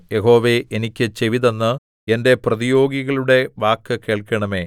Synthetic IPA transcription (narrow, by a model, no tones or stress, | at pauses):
jeɦo̞ːʋeʔenikʲːɨt͡ɕeʋiðenːɨ | ende̞prɐðijo̞ːɡiɣɐɭuɽe̞ʋaːkːɨkeːɭkɐɳɐme̞ː